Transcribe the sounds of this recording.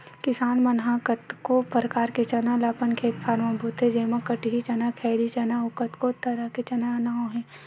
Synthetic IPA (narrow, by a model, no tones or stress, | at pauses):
kɪsaːnmɐnɦakət̪kopəɾəkaːɾket͡ʃɐnalaːpənkʰeːt̪pʰaːɾmabʱuːt̪ɦɛd͡ʒeːmakɐʈiɦit͡ʃɐnakʰɛːɾit͡ʃɐnaʊkət̪kot̪ːɐɾaket͡ʃɐnanaːõɦɛ̃ː